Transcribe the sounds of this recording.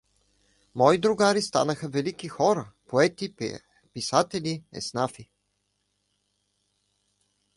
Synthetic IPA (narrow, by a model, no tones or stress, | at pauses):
mɔid̪ɾʊɡaɾist̪a̰nəxəvɛlikixɔɾəpoɛt̪i | pisat̪ɛliɛ̰snafi